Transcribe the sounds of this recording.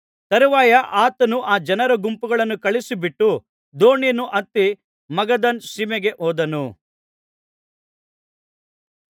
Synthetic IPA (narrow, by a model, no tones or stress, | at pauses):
t̪ɐɾuʋaːjɐʔaːt̪ɐnuʔaːd͡ʒɐnɐɾɐɡumpuɡɐɭɐnːukɐɭisibiʈːu | d̪oːɳjnuʔɐt̪ːi | mɐɡɐd̪ɐnʃiːmɛɡe̞ʔoːd̪ɐnu